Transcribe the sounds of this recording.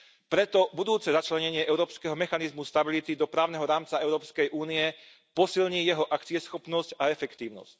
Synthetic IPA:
pɾɛt̪ɔbud̪uːt͡sɛzat͡ʃlɛɲɛɲɪɛʔɛʊɾɔːpskɛɦɔmɛxanizmust̪abilit̪id̪ɔpɾaːʊnɛɦɔɾaːmt͡saɛʊɾɔːpskɛjʔuːniɛ | pɔsilɲiːjɛɦɔʔakt͡siɛsxɔpnɔscaɛfɛkt̪iːʊnɔ̰sc

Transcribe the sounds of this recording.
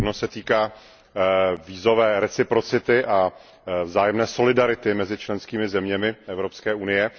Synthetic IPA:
nosɛt̪iːkaː | viːzo̞vɛːɾɛt͡sɪpɾo̞t͡sɪt̪ɪʔa | vzaːjɛmnɛːso̞lɪdaɾɪt̪ɪmɛzɪt͡ʃlɛnskiːmɪzɛmɲɛmɪʔɛvɾopskɛːʔunɪjɛ

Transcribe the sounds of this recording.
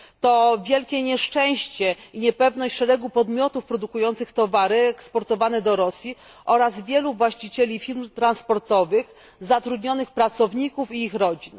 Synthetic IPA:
t̪ɔvʲjɛlkʲɛɲɛʂt͡ʂɛ̃w̃ɕt͡ɕɛiɲɛpɛvn̪ɔɕt͡ɕʂɛɾɛɡupɔd̪mʲjɔt̪ufpɾɔd̪ukujɔnt̪sɘxt̪ɔvaɾɘɛkspɔɾt̪ɔvanɛd̪ɔɾɔsʲji | ʔɔɾazvʲjɛluvwaɕt͡ɕit͡ɕɛlʲifʲiɾmt̪ɾanspɔɾt̪ɔvɘx | zat̪ɾud̪ɲɔnɘxpɾat̪sɔvɲikufiːxɾɔd͡ʑin

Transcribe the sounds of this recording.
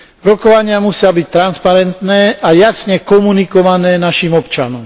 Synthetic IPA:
ɾɔkɔʋaɲɪamusɪabic̚t̪ɾanspaɾɛnt̪nɛːʔajasɲɛkɔmunikɔʋanɛːnaʃiːmɔpt͡ʃa̰nɔm

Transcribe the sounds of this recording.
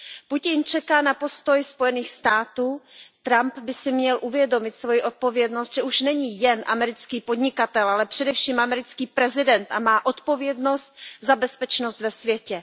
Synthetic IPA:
pucɪnt͡ʃɛkaːnapo̞st̪o̞jspo̞jɛniːxst̪aːt̪uːt̪ɾampbɪsɪmɲɛlʔuvjɛdo̞mɪt̪svo̞jiʔo̞t̪̚po̞vjɛdno̞st̪ʒ̥ɛuʃnɛɲijɛnʔa̰mɛɾɪt͡skiːpo̞dɲɪkat̪ɛlʔalɛpr̝̥ɛdɛfʃiːmʔamɛɾɪt͡skiːpɾɛzɪdɛnt̪amaːʔo̞t̪po̞vjɛdno̞st̪̚zabɛspɛt͡ʃnost̪vɛsvjɛcɛ

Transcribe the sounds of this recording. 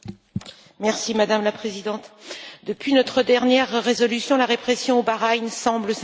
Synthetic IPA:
mɛʁsimad̪amlapχezid̪ɑ̃t̪d̪əpɥinɔt̪χəd̪ɛʁnjɛʁːezɔlysjɔ̃laʁepχesjɔ̃obaʁajnsɑ̃bləs

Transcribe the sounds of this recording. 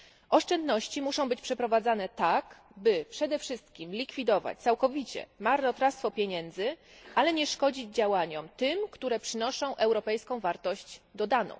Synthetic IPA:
ʔɔʂt͡ʂɛnd̪nɔɕt͡ɕimuʂɔ̃w̃bɘt͡ɕpʂɛpɾɔvad̪zanɛt̪ak | bɘpʂɛd̪ɛfʂɘst̪kʲimlʲikfʲid̪ɔva̰t͡ɕt̪sawkɔvʲit͡ɕɛ̰maɾnɔt̪ɾast̪fɔpʲjeɲɛnd̪zɘʔalɛɲɛʂkɔd͡ʑid͡ʑd͡ʑawaɲɔmt̪ɘmkt̪uɾɛpʂɘnɔʂɔ̃w̃ʔɛwɾɔpɛjskɔ̃w̃vaɾt̪ɔɕt͡ɕd̪ɔd̪anɔ̰̃w̃

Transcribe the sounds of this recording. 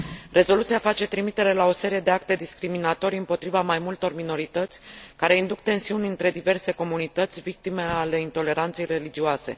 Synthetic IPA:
rʔe̞zo̞lut̪sijafat͡ʃe̞t̪ɾimit̪e̞ɾe̞lao̞se̞ɾije̞d̪eak̚t̪e̞d̪iskɾiminat̪o̞ɾiɨmpo̞t̪ɾivamajmult̪o̞rmino̞ɾit̪ət̪sʲkaɾe̞ind̪uk̚t̪e̞nsiunʲɨnt̪ɾe̞d̪ive̞rse̞ko̞munit̪ət̪sʲvik̚t̪ime̞ale̞int̪o̞le̞ɾant̪se̞jre̞lid͡ʒioase̞̰

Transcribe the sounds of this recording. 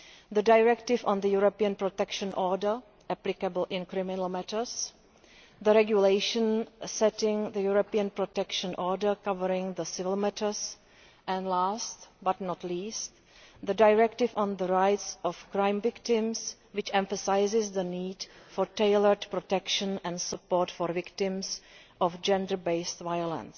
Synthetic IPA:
ðədajɹɛktɪvɔ̃nðəjuɾopiə̃npɾotɛkʃə̃nʔɔɹdə˞ | ʔɛplɪkabəl̩ʔɪ̃nkɾɪmɪnəl̩ˠmɛtəs | ðəɾɛɡjulejʃə̃nsɛtɪ̃ŋðəjuɾopiə̃npɾotɛkʃə̃nʔɔɹdəɹkavəɾɪ̃ŋðəsɪvɪlˠmɛtə˞s | ʔɛ̃nlastbatnɔtliːst | ðədajɹɛktɪfɔ̃nðəɹajtsɔfkɹãj̃mvɪktɪ̃ms | wɪt͡ʃɛ̃ɱfəsajzɪsðəniːdfɔɹteɪləɹdpɾotɛkʃə̃nɛ̃ndsəpoːtfɔɹvɪktɪ̃msʔɔfd͡ʒɛ̃ndəɹbeɪstvajolə̰̃ns

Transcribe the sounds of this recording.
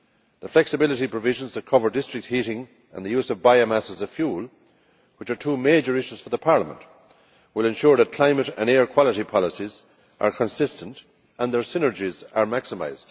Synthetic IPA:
ðəflɛksɨbɪlɪɾipʰɹ̥əvɪʒə̃nzðət̚kʰʌvə˞dɪstɹ̥ɪk̚t̚hiɾɪ̃ŋ | ə̰̃nðəjuzʌvbaɪomasəzəfjuːlˠ | wɪt͡ʃə˞tʰuːmeːd͡ʒə˞ɪʃuz̥fə˞ðəpʰaɹləmə̰̃nʔ | wɪlɛ̃nʃʊɹðət̚kʰl̥ãɪ̃məɾə̰̃nɛɹkʰw̥ɑlˠəɾipʰɑləsiz | ʔə̰˞kʰə̃nsɪstʰə̃nt | ə̃nðə˞sɪ̃nə˞d͡ʒizə˞maksəma̰ɪzd̥

